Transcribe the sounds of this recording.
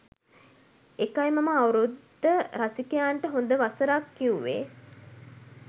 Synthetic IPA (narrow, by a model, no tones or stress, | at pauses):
ekajmaməawɾud̪ːəɾasikejaːɳʈəɦond̪əʋasəɾakːiuʋḛ